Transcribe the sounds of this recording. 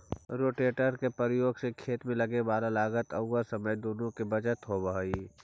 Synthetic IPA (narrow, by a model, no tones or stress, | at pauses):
ɾoːʈeːʈəɾkepɾɪjoːɡsekʰeːt̪mẽləɡeʋaːlalaːɡət̪əʊːasəməjd̪oːnõkebəd͡ʒət̪ɦobaɦi